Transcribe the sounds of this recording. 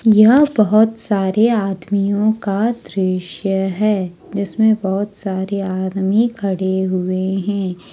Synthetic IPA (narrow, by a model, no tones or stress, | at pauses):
jɐɦbɐɦɔt̪saːɾeaːd̪mijõkad̪ɾɪʃjəɦɛː | d͡ʒɪsmẽbɔɦʊt̪saːɾeaːd̪mikʰɐɽeɦʊeɦɛ̃ː